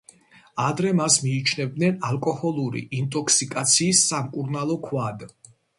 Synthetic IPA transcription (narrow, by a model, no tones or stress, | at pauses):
ad̪ɾɛmasmiːt͡ʃʰnɛb̚d̪nɛnalˠkʼɔhɔlˠuɾḭʔint̪ʼɔkʰsikʼat̪sʰiːsːamkʼuɾnalˠɔkʰwad̪